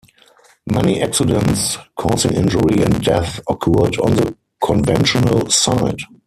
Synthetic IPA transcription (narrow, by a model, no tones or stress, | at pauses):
mɛniʔɛksɪdə̃nskʰɔːsɪ̃ŋɪ̰̃nd͡ʒʊɹiɛ̰̃ntdɛθɔkʰɔədɔ̰̃nðə | kʰɔ̃nvɛ̃nʃɔnə̰lsaɪd